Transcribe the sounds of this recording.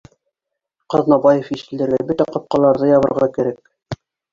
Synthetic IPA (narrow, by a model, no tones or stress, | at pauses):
qɑðnɑbɑjefiʃɘ̆ld̪ɘ̆ɾɡæbɵt̪æqɑp̚qɑlˠɑɾðɤjɑβɤ̆ɾʁɑkæ̆ɾæk̚